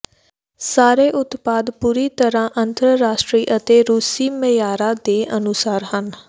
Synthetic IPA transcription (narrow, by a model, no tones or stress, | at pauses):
saːɾeːʔʊt̪paːd̪puːɾiːt̪əɾãːʔənt̪ɾəɾaːʃʈɾiːʔət̪eːɾuːsiːməjaːɾãːd̪eːʔənʊsaːɾhən